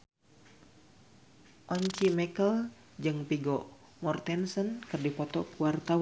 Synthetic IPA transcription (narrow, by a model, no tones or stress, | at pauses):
ʔɔɲt͡ʃimɛkəl | d͡ʒɨŋpiɡɔ | mɔrt̪ɛnsənkɨrdipɔt̪ɔkuwart̪aw